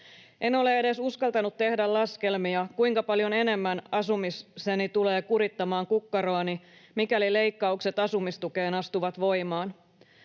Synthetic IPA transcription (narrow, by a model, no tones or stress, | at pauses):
ʔe̞no̞le̞ede̞suskɑlt̪ɑnut̪t̪ːe̞hdællɑske̞lmiɑkuiŋkɑpɑljo̞ne̞ne̞mːænɑsumissenit̪ule̞ːkuɾit̪ːɑmɑːŋkukːɑɾoɑnimikælile̞jkːɑukset̪ɑsumist̪uke̞ːnɑst̪uʋɑt̪ʋo̞jmɑːn